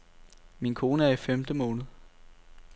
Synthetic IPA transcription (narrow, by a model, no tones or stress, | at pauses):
minkʰo̝ːnəæɐifemd̥əmɔ̽ːnð̞̩ˠ